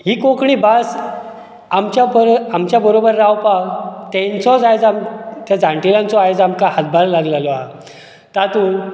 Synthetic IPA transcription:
ɦiːkokɳiːbas | amt͡ɕjabəɾamt͡ɕjabəɾobəɾːawpat̪ɛ̃nsɔd͡zajd͡zamt̪jad͡zãɳʈilãnt͡sɔajt͡samkahat̪̚bʱaɾlaɡlalɔa | t̪at̪ũ

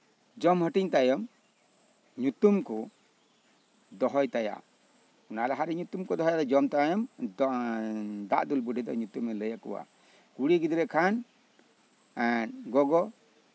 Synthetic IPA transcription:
d͡ʒɔmhəʈiɲt̪ajɔm | ɲut̪umkɔ | d̪ɔɦɔjt̪aja̰ | unalɛɦaɾɛɲut̪umkɔd̪ɔɦɔjad̪ɔd͡ʒɔmt̪ajɔm | d̪a̰ʔd̪ulbuɖid̪ɔ̰ɲut̪umɛləjakɔ̰wa̰ | kuɽiɡid̪ɾɛkʰan | ɡɔɡɔ

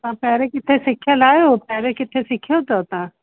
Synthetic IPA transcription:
t̪ãpɛɦɾekɪt̪ʰːesɪkʰalaːjopɛːɾekɪt̪ʰːẽsɪkʰjot̪ot̪ãː

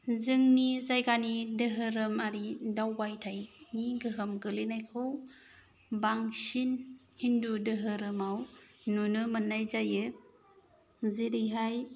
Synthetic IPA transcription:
zɯŋnizajɡanidɯɦɯɾɯmaɾidawbajtʰajniɡɯɦɯmɡɯlɯnajkʰɯw | baŋsin | hindudɯɦɯɾɯmawnunɯmɯnːajzajɯ | ziɾɯjɦaj

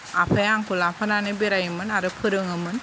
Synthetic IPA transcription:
apʰajaŋkulapʰananɯbeɾajɯmɯnaɾɯpʰɯɾɯŋɯmɯn

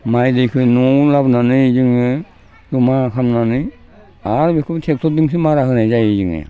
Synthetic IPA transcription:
majdejkʰɯjnɔlabnanɯzɯŋɯ | jumakʰamnanɯj | aɾbekʰɯbtʰek̚tʰɔdɯŋs̬imaɾakʰɯnajzajezɯŋḛ

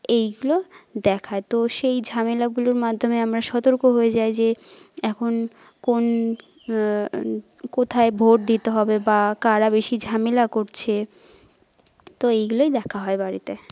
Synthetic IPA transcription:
ejɡulod̪ɛkʰaet̪oʃejd͡ʑʱamelaɡuloɾmad̪ʱːomeamɾaʃɔt̪oɾkoɦoed͡ʑaed͡ʑeɛkʰon | kon | kot̪ʰaebʱoʈ̚d̪it̪eɦɔbebakaɾabeʃid͡ʑʱamelakoɾt͡ɕʰe | t̪oejɡulojd̪ɛkʰaɦɔebaɾit̪e

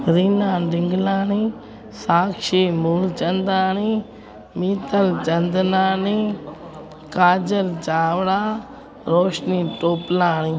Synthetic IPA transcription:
ɾiːnãːɖɪŋɡlaːni | saːkʃimuːlt͡ʃɐ̃nd̪aːni | miːt̪əlt͡ʃɐnd̪naːniː | kaːd͡ʒəlt͡ʃaːʋɽaː | ɾoːʃniːʈoːplãːnĩː

